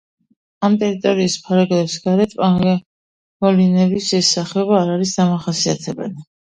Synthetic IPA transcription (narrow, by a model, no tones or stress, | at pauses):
amt̪ʼɛɾit̪ʼɔɾiːspʰaɾaɡlɛpsɡaɾɛt̪ʰ | mɔlinɛbisɛsːaχɛɔbaːɾaɾisd̪amaχasiat̪ʰɛbɛ̰li